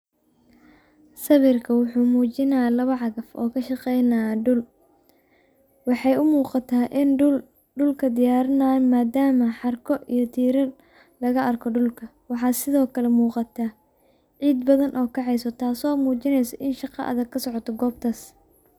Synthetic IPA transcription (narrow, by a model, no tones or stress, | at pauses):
sɐβɪrkʰɐwʊħuːmuːt͡ʃɪnalɐβɐʕɑɣɐfʔɔ̰ːkʰɐʃɑqɛjnɐɖʊl | wɑħɑjʊmuːqɑt̪ʰaːʔɪnʊl | ɖʊlkʰɐd̪ɪjaːɾɪnaːjmaːd̪aːmɐħɑrkʰɔʔijɞt̪ʰiːɾɐ | lɐɣɐʔɐrkʰɔɖʊlkʰɐ | wɑħɑːsɪðɔːkʰɐlɛmuːqɑt̪ʰɐ | ʕiːd̪bɐðɐnʔɔːkʰɑʕɑjsɔt̪ʰaːsɔːmuːt͡ʃɪnɛjsɐʔɪnʃɑqɑ̰ʔɐ̰ðɐɡkʰɐsɔʕɔt̪ʰɔɡɔːbt̪ʰaːs